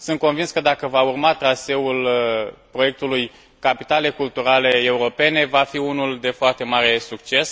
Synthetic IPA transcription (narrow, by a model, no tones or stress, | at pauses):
sɨnt̪̚ko̞nvinskəd̪akəvaurmat̪ɾase̞ulpɾo̞je̞k̚t̪uluj | kapit̪ale̞kult̪uɾale̞ːuɾo̞pe̞ne̞vafiunuld̪e̞foart̪e̞maɾe̞sukt͡ʃe̞s